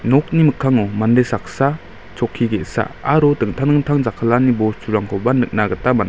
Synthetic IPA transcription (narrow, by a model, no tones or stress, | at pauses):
nɔk̚nimɯkʰːaŋɔmandesak̚sa | t͡ʃɔkʰːiɡetsa̰aɾɔtɯŋtʰanɯŋtʰaŋzakʰalanibɔsuɾaŋkʰɔbanɯk̚naɡətaman